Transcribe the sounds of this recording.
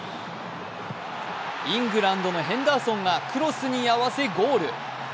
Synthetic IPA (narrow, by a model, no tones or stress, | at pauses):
ĩŋɡɯ̟ɾãnd̪o̞no̞ɦẽ̞nd̪aːsõ̞ŋɡakʰɯ̟ɾo̞sɨɲ̟iaβase̞ɡoːɾɯ̟